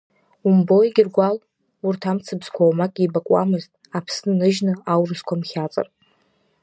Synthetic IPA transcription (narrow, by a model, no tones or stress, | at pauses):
umbojɡʲɪrɡʷal | urtʰamt͡sʰɨbz̥kʷʰawmakʼibakʼwa̰mɨztʼapʰsnɨnɨʒnɨawrɨskʷʰamχʲat͡sʼa̰r